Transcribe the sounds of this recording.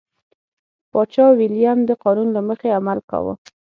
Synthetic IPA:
pɑt͡ʃɑwilijamd̪əqɑnunlaməxeamalka̰wə̰

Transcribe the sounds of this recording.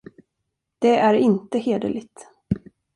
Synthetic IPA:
d̪̥ɛʔæɾɪnt̪əheːd̪ə̰lɪt̪

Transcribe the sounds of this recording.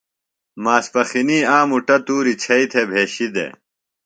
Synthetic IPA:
maːspɐxiniːaːmuʈɐt̪uːɾit͡ɕʰɐit̪ʰebʱeːɕid̪ḛː

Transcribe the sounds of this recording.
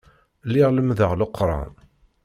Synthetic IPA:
lːiʁləmðəʁləqːɾˤɑ̰n

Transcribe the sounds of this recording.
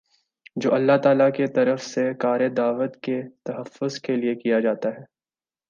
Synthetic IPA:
d͡ʒoːɐlːaɦt̪aːlaket̪ɐɾəfsekaːɾed̪aːʋət̪ket̪ɐɦəfːʊzkeliekijad͡ʒaːt̪aɦɛː

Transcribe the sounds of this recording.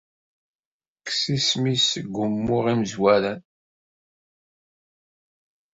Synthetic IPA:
ksismisɡʷːʊmːʊʁimzwæɾæn

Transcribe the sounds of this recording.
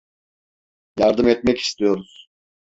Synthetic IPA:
jaɾd̪ɯmɛt̪mɛci̥st̪ʰijo̞ɾuz̥

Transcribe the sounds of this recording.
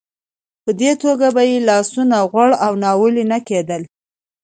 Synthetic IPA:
pəd̪et̪oɡabajelɑsunaɣwaɽawnɑwəlinaked̪əl

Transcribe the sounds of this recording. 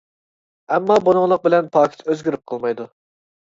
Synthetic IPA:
ɛmːɑbunʊŋlˠəq̚bɪlɛnpʰɑːkʲʰi̥t̪ʰøzɡʲiɾyp̚qʰəlˠmɑjd̪u

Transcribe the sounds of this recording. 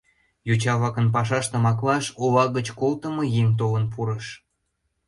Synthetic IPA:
jut͡ɕɑβɑkənpɑʃ̬ɑʃt̪ə̆mɑklɑʃoβɑɣət͡ɕkolt̪əmɤjeŋt̪̬olənpuɾəʃ

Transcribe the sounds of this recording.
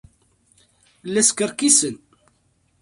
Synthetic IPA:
lːæskəɾkisən

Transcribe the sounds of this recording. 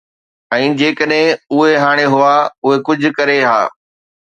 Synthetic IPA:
ɛ̃ːd͡ʑeːkəɗɦɪ̃ʊɦeɦaːɽ̃eɦʊaʊɦekʊd͡ʑʱʊ̆kɐɾeɦa̰ː

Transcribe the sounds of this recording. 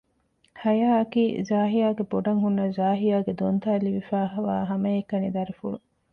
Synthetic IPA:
hɐjaːɐkiːzaːɦijaːɡeboɖɐŋɦunːɐzaːɦijaːɡed̪ont̪aːliʋifaːɦʋa̰ːɦɐmɐjekːɐnid̪ɐɾifuɭu

